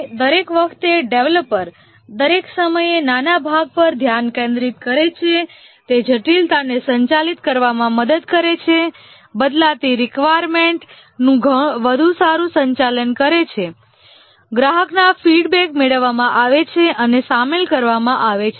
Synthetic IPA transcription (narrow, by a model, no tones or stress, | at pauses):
d̪əɾekʋəkʰt̪eɖeʋləpːəɾ | d̪əɾeksəməjenanabʱaɡ̚pəɾd̪ʱjankẽnd̪ɾit̪kəɾet͡ʃʰe | t̪ed͡ʒʱəʈilt̪anesəɲt͡ʃalit̪kəɾʋamãməd̪əd̪kəɾet͡ʃʰe | bəd̪lat̪iɾikʋajɾmeɳʈ | nũɡʱəʋəd̪ʱusaɾũsəɲt͡ʃalənkəɾet͡ʃʰe | ɡɾaɦəknafiɖbekmeɭəʋːamãʔaʋet͡ʃʰeʔənesamelkəɾʋamãʔaʋet͡ʃʰe